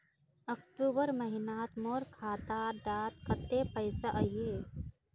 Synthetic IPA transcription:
ɐkʈuːbəɾmɐɦɪnaːt̪moːɾkʰaːt̪aːɖaːt̪̚kət̪ːepəjsaʔɐjeː

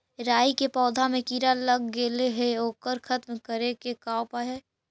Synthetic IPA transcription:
ɾaːikepɔːd̪ʱamẽkiːɾalɐɡːeːleɦɛoːkəɾkʰət̪mkəɾekekaːwpaɦɛː

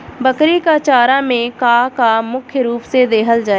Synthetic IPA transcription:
bəkɾiːkaːt͡ʃaːɾãːmẽːkaːkaːmʊkʰjəɾuːpseːd̪eːɦəld͡ʒaːe

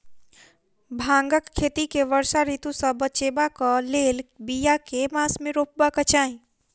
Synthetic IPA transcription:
bʱãŋɡəkʰːet̪ikeʋəɾsaɾit̪usə̃bət͡ʃebakəlelbijakemasmeɾop̚bakət͡ʃaĩ

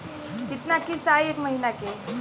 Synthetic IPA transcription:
kit̪nakisaekməɦinake

